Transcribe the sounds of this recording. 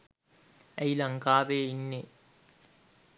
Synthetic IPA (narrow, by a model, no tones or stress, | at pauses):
ɐjlɐŋkaːʋeinːe